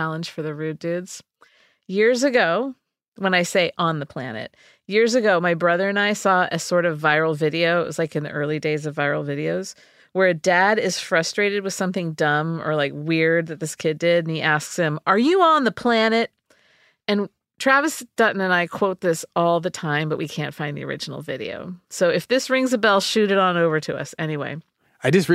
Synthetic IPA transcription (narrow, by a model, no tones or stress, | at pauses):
ælˠə̃nʒ̥fə˞ðɨɹʉdʉdz̥ | jɪɹzɨɡoʊ | wə̃ñaɪseɪʔə̃nðəpʰl̥æ̰nɨ̰t̚ | jɪɹzɨɡoʊmaɪbɹʌðə˞ɨ̃naɪsɔɨsɔɹɾʌvaɪɹl̩ˠvɪɾioʊɨʔ̚wʌ̰z̥laɪkɨ̃nðḭʔɜ˞lˠideɪzʌvaɪɹl̩ˠvɪɾioʊz̥ | wə˞ɨdæɾɪz̥fɹʌstɹ̥eɪɾɨd̚wɨð̥sʌ̃mθɪ̃ŋdʌ̃mə̰˞laɪkwɪɹd̪̚ðɨt̪̚ðɪskʰɪdɪɾ̃n̩iʔæsksɨ̃mʔə˞jɨə̃nðəpʰl̥ænɨt̚ | ɨ̃n | tʰɹ̥ævɨsd̥ʌʔn̩ɨ̃naɪkʰw̥oʊt̪̚ðɪsɔlˠðɨtʰãɪ̃mbʌʔ̚wikʰæ̰̃ntfãɪ̃nðḭə̰˞ʔɪ̰d͡ʒn̩l̩ˠvɪɾḭo̰ʊsoʊɨfðɪsɹɪ̃ŋzɨbɛlˠʃʉɾɨɾn̩oʊvə˞ɾɨʌ̰sɛñiwḛɪ | aɪd͡ʒʌs